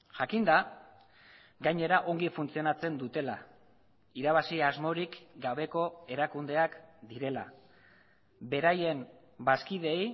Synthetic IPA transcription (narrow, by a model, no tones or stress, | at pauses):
ʝakind̪a | ɡajɲe̞ɾaʔo̞ŋɡifunt͡sio̞nat͡se̞nd̪ut̪e̞la̰ | iɾaβ̞asiazmo̞ɾikɡaβe̞ko̞e̞ɾakund̪e̞akd̪iɾe̞la̰ | be̞ɾaje̞m | baskiðe̞j